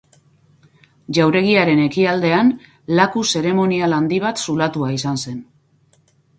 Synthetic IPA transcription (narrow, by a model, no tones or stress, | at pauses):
ʝawɾe̞ɣiaɾe̞ne̞kiald̪e̞an | lakuse̞ɾe̞mo̞nialand̪iβ̞at̪sulat̪uaisanse̞n